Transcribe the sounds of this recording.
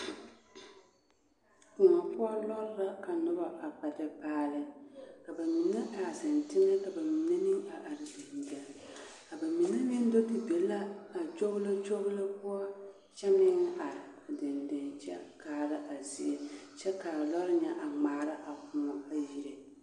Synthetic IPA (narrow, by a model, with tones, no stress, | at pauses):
kʊ˨ŋa˨pʊ˦a˦lɔ˦ɾɪ˦ɾa˦ka˨nʊ˦ba˦ʔa˨k͡pa˨tɪ˦paː˦lɪ˦ka˨ba˨mi˨nːa˦ʔa˨sɪ˨ntɪ˦ŋɛ˦ka˨ba˨mi˨nːe˦ni˦ŋa˨ʔa˨ɾɪ˨dɪ˨nda˨ŋ˨ka˨ba˨mi˨ne˦nɪ˦n˦do˦tɪ˨be˨˦la˦a˨t͡ʃo˦ɣʊ˦la˦t͡ʃo˦ɣla˦pʊ˦a˦ | t͡ʃɛ˦mɪ˦ŋ˦ʔa˨ɾɪ˨dɪ˨ndɛ˨nt͡ʃɛ̰˦kaː˦ɾa˦ʔa˨zi˦e˦t͡ʃɛ˦ka˨lɔ˦ɾɪ˦ɲɛ˦ʔa˨ŋ͡maː˨˦˨ɾɪ˦ʔa˨kʊ˨ma˦a˨ji˨ɾe˨